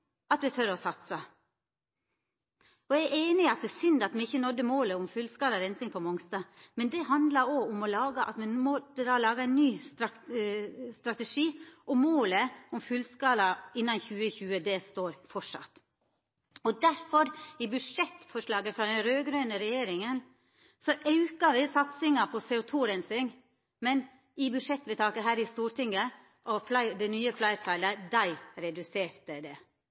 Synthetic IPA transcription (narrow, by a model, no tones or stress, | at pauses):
ɑt̪ʋɛt̪ʰœɾɔsɑt̪sɑ | ɔææʔeːnɪɑt̪̚d̪ɛːsʏnd̪ɑt̪mɛɪçːənɔd̪ːəmoːləʊmfʉlskɑːlɑɾɛnsɪŋpʰɔmɔŋst̪ɑmɛnd̪ɛɦɑnd̪lɑoːʊmɔlɑːɡəʔɑ̰t̪mɛmɔt̪ːəd̪ɑːlɑːɡɑɛnnːyːsɑ | st̪ɾɑt̪ɛʂiːʔɔmoːləɔmfʉlskɑːlɑɪnːɑnçʉːəçʉːəd̪ɛst̪oːɾfɔʂɑ̰t̪ | ɔd̪æɾfɔɾɪbʉʂɛt̪fɔʂlɑːɡəfɾɑːd̪ɛnɾøːɡɾøːnəɾɛjeːɾɪŋən | sɔʔɑʉkɑʋɪsɑt̪sɪŋɑpʰɔseːʊt̪ʰuːɾɛnsɪŋ | mɛn | ɪbʉdʂɛt̪ːʋɛt̪ʰɑːkəɦæːɾɪst̪uːɾʈ̪ɪŋə | ʔɔflɑɪd̪ɛnyːəflɑɪɾt̪ʰɑɪləd̪æɪɾɛd̪ʉseːɾt̪əd̪ɛ